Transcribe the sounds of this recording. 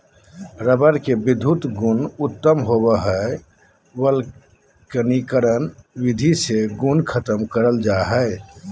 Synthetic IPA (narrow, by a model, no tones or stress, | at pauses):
ɾəbəɾkebɪd̪ʱut̪ɡunʊt̪ːəmɦobəɦɛ | wəl | kənikəɾənwid̪ʱiseɡunkʰət̪əmkəɾəld͡ʒaɦɛ